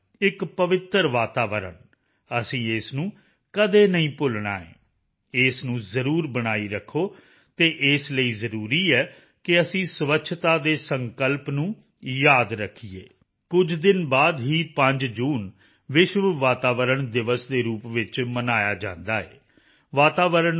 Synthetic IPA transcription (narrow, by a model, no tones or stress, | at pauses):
ɪkpəʋɪt̪əɾʋaːt̪aːʋəɾə̰ɳ | əsĩːɪsnũː | kəd̪eːnəĩːpʊlɳa̰ːḛ̃ː | ɪsnũːzəɾuːɾbənaːiːɾəkʰːoː | t̪eːʔɪsləiːzəɾuːɾiːɛː | kɪəsĩːsʊʋəkːʃʰt̪aːd̪eːsəŋkəlpnũː | jaːd̪ɾəkʰːiḛː | kʊd͡ʒd̪ɪnbaːd̪ɦiːpəɲd͡ʒd͡ʒuːn | ʋɪʃʋəʋaːt̪aːʋəɾəɳd̪ɪʋəsd̪eːɾuːpʋɪt͡ʃmənaːjaːd͡ʒãːnd̪aːɛ̰ː | ʋaːt̪aːʋəɾəɳ